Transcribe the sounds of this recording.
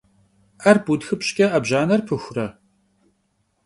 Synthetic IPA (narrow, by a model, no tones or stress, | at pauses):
ɐrbudxɨpɕkʲʼɐʔɐbʑaːnɐrpʰɨxʷʊrɐ